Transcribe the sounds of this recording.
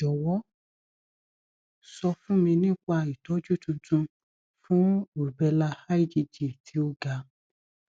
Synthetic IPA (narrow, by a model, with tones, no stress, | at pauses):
d͡ʒɔ˨wɔ˦ | sɔ˧fũ˦mĩ˧nĩ˦k͡pa˧i˨tɔ˨˦d͡ʒu˦tũ˧tũ˧ | fũ˦u˨bɛ˧la˧ha˦i˦˨d͡ʒi˧d͡ʒi˨tʰi˨˦o˦ɡa˧